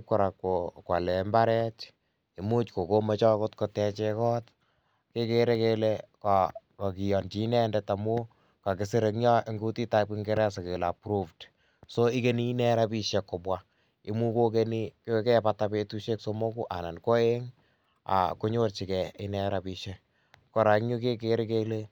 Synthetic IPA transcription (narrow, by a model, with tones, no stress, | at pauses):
p̚kɔ˨ɾa˨ko˨kwa̰˨lɛ˨mba˦ɾɛ˦t͡ʃ | i˨mu˦t͡ʃko˨ko˦me˦t͡ʃɔ˦ko˦tko˧tɛ˧t͡ʃe˧kɔ˦t | ke˦ke˦ɾe˦ke˦le˦kakːki˨jɔ˨nt͡ʃi˦nɛ˦ndɛ˦ta˨mu˦ | ka˨kɪ˨se˦ɾe˨ŋɲɔ˦ʔe˦ŋɡu˦ti˦ta˦pi˦ŋɡe˦ɾɛ˦s̬e˨ke˨la˨pɾufd | soi˦ke˦niː˦nɛ˦ɾa˦pi˦ʃɛ˨kːo˨bwa | ɪ˨mu˦ko˦k̬e˦ni˦ko˦kɛ˦pata˧pe˦tu˦ʃe˦kso˦mo˦ku˦ʔa̰˨na˨nko˦e˦ŋ | a̰˨ku˦ɲo˦rt͡ʃi˨kɛ˨ɪ˦nɛ˦ɾa˨pi˨ʃɛ˦ | kɔ˨ɾa˨ŋɲu˦ke˦keɾe˦ke˦le˦